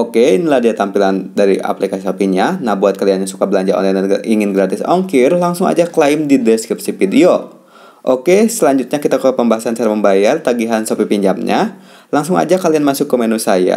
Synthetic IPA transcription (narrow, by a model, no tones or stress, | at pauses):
ʔokeinilahdiat̪ampilandaɾiʔa̰plikasisopiɲanahbuat̪̚kalianɲasu̥kabəlaɲd͡ʒaʔɔ̰nlajnaiŋɪnɡɾat̪ɪsɔŋkirlaŋsʊŋa̰d͡ʒaklaɪmdidɛskɾip̚sifidio | ʔokesəlaɲd͡ʒʊt̪̚ɲakit̪akəpəmbaɦasansaɾaməmbajart̪aɡiɦansopipiɲd͡ʒamɲa̰ | laŋsʊŋa̰d͡ʒakalianmasʊkːəmenusaja̰